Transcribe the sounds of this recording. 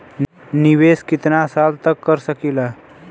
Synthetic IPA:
nɪʋeːskɪt̪nasaːlt̪əkːəɾsəkiːlaː

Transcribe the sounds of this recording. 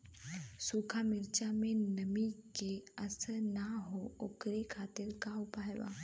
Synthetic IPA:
sukʰamɪɾt͡ʃamẽnəmikeəsənaɦookɾekʰat̪ɪɾkawpajʋa̰

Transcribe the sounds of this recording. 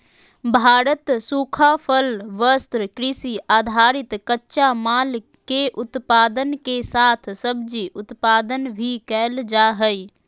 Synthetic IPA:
bʱaːɾət̪suːkʰapʰəlʋəst̪ɾkɾɪsiʔaːd̪ʱaːɾɪt̪kətːʃamaːl | keʔʊt̪paːd̪ənkesaːt̪ʰsəbd͡ʒiʔʊt̪paːd̪ənbʱikɛːld͡ʒaːɦəi

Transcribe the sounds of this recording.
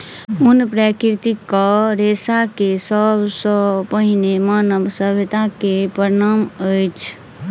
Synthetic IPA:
unpɾakɾt̪ikːəɾesakesəbʱsəpəɦinemanəbsəbʱet̪akepəɾnaməjt͡ʃʰ

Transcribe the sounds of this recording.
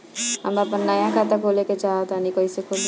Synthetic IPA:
ɦə̰məpənːajãkʰat̪akʰoleket͡ʃaɦət̪anikəisekʰoʃ

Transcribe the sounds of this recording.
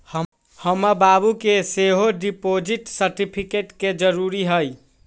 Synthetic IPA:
hə | həməbabukeseɦoɖipod͡ʒiʈsəɾʈipʰikeʈked͡ʒəɾuɾiɦəj

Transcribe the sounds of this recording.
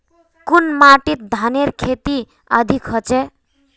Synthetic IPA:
kunmaʈit̪̚d̪ʱaneɾkʰet̪i | ə̰d̪ʱikɦɔt͡ʃɛ

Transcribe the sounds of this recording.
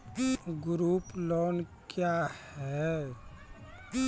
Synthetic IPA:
ɡɾuːploːnkjahhɛ

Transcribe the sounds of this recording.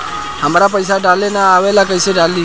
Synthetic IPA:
həmaːɾap̬əjsaɖalenaːʋelakəjseɖali

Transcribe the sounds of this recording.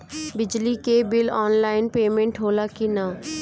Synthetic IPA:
bɪd͡ʒlikebɪlɔːnlaːɪnpeːmẽɳʈɦoːlakina

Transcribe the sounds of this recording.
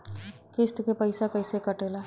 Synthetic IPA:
kɪst̪kepəɪsakəɪsekəʈeːla

